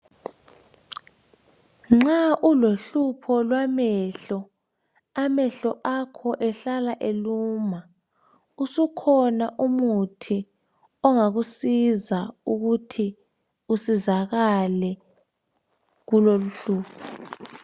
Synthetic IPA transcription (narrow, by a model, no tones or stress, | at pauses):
ŋ͡ǁaʔuloɬupʰɔlwamɛɬɔ | amɛɬɔʔakʰɔʔɛɬalaʔeluːma | usukʰɔnaʔumutʰi | ɔŋaɣusizauɣutʰi | usizaɣalɛ | ɣuloluɬuːpʰɔ